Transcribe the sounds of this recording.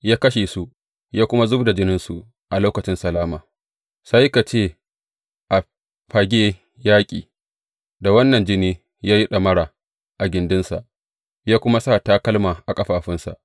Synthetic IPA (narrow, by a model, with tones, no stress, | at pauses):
jaː˦kɐ˦ʃe˨su˦ʔ | jaː˦kʷʊ˦ma˦zʊ˦bda˨d͡ʒɪ˦nɪ˦nsu˨ʔ | ʔa˨loː˦kɐ˨t͡ʃɪ˦nsɐ˨laː˦maː˨ | sa˦ji˦ka˨t͡ʃeː˦˨ | ʔa˨ | ɸa˨ɡʲeː˦ | jaː˦kʲʼḭː˨ | da˨wɐ˦nːɐ˨nd͡ʒɪ˦niː˦ | jaː˦ji˦ɗɐ˨mɐ˦ɽaː˨ | ʔa˨ɡʲɪ˨ndɪ˦nsa̰˨ʔ | jaː˦kʷʊ˦ma˦saː˦˨taː˦kɐ˦lmaː˨ʔa˨kʼɐ˦ɸaː˨ɸɪ˦nsa̰˨ʔ